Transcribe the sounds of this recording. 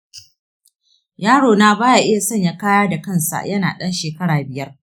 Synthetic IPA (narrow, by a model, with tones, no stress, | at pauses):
jaː˦ɽoː˨naː˦baː˦ja˨ʔɪ˦ja˨sɐ˦˨ɲja˦kaː˦jaː˦da˨kɐ˦˨nsa̰˨jɐ˦na̰ː˨ɗɐ˦nʃeː˨kɐ˦ɽaː˨bɪ˨jɐ˦r